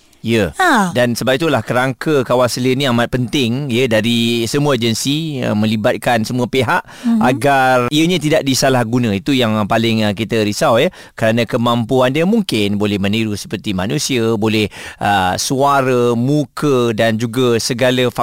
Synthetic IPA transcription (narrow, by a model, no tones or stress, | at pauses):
ijədansəbap̚it̪ulahkəɾaŋkəkawasəliənĩamat̪̚pənt̪ɪŋjədaɾisəmuəd͡ʒənsiə̰mə̃libat̪̚kansəmuəpeɦaʔ | aɡariəɲãt̪̬idaʔ̚disalahɡunãit̪ujaŋpalɪŋəkit̪əɾisawjə | kəɾanãkəmampuandəmuŋkɪnbolɛhmə̃niɾusə̥pərt̪imanũsiəbolɛhəsuaɾəmukʰədand͡ʒuɡasəɡaləfa